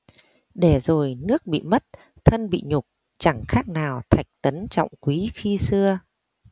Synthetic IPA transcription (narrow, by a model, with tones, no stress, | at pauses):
ɗe˧˩zo˨˩jnɨ˦˥ək̚ɓḭ˧˨mə˦˥t̚ | t̪ʰə˧nɓḭ˧˨ɲʊ˨˩k͡p̚ | t͡ɕa˧˩ŋxaː˦˥k̚naː˨˩wt̪ʰa˨˩jk̟̚t̪ə˨˦nt͡ɕɔ̰˧˨wŋ͡mkwi˨˦xi˧sɨ˧ə